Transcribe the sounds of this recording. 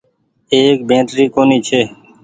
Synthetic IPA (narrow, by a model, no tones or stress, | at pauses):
eːk̚bẽːʈɾiːkoːniːt͡ʃʰeː